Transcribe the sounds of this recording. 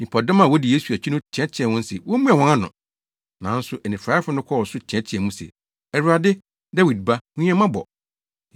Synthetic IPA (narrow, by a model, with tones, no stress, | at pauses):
nĩ˨pʰɔ˨dɔ̃˦mã˨wɔ˦di˨je˦su˨æ˨t͡ɕʰᶣi˦nʊ̃˦t͡ɕʰɛ̃˦t͡ɕʰɪ˨ɛ̃˨wʊ̃˦n̩˦sɛ˨wɔ˦mũ˦a˨wɔ̃˦ã˦nʊ̰̃˨ | nã˨˦n̩˦sʊ˨ʔɛ˨nɪ̃˨fɾaː˨˦ɪ˦fʊ˦nʊ̃˦kʷʰɔ˦˨wɔ˨sʊ˦t͡ɕʰɛ̃˦t͡ɕʰɛ̃˨mũ˦sɛ̰˨ | ɛ˨ɾu˨˦a˨dɪ˦ | da˦wi˨d̚ba˦ũ˦ɛ̃˦mã˦bɔ̰˨